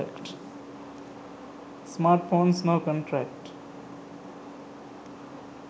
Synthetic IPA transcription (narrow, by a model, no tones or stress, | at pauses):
ɛ̰kʈ | smaːɾʈfõːnsnokɔ̃ɳʈɾɛkʈ